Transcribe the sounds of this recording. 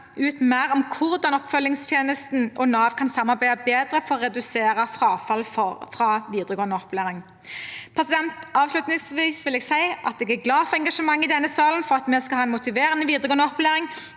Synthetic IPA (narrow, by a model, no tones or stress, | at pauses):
ʔʉːt̪mæɾɔmkʰʊʁd̪ɑnɔpfœlːɪŋst̪ʰjeːnəst̪nʔɔnɑːʋkʰɑnsɑmːɑɾbæɪd̪əbeːd̪ʁəfɔɾʁɔʁɛd̪ʉseːɾəfʁɑːfɑlfɔfʁɑːʋiːd̪ʁəɡoːʁnəɔpleːɾɪŋ | pʰʁɛsɪd̪ɛnt̪ɑːʋslʉt̪nɪŋsʋiːsʋɪlɛːɡsæɪʔɑt̪̚d̪ɛːɡæɾɡlɑːfɔʁɛŋɡɑʂəmɑŋːɪd̪ɛnːəsɑːlnfɔʁɑt̪mɛskɑhɑːɛnmʊt̪ɪʋeːʁənəʋiːd̪ʁəɡoːnəɔpːʉleːʁɪŋ